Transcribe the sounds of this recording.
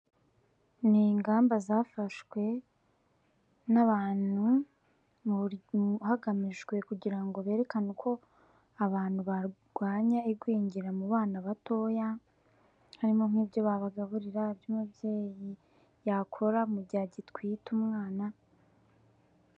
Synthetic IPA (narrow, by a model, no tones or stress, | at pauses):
niŋɡaːmbazafaʃwe̞ | naβaːnu | haɡamiʒɡwe̞kuɟiɾaŋɡo̞βe̞ːɾe̞kanukʰo̞ | aβaːn̥huβaɡ̥waːɲaiɡwiːɲɟiɾamuβaːnaβato̞ja | haɾimo̞ŋ̥iːbjo̞βaβaɡaβuɾiɾabjumubjeːji | jakʰo̞ɾamuɟaɟitkwiːtumŋaːna